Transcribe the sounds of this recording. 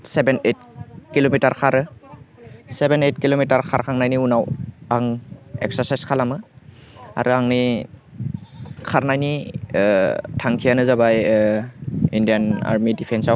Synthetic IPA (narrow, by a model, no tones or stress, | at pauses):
sebenet̚kilomitaɾkʰaɾɯ | sebenet̚kilomitaɾkʰaɾkʰaŋnajniunawaŋḛk̚sasajskʰalamɯ | a̰ɾuaŋni | kʰaɾnajni | tʰaŋkʰijanɯzabaj | indijana̰ɾmidipʰensaw